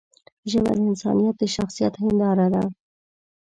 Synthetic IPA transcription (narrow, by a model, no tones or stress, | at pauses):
ʒaβa̰lɪnsɑ̰nijat̪̚d̪əʃaxsijat̪ɦɪnd̪ɑɾad̪a̰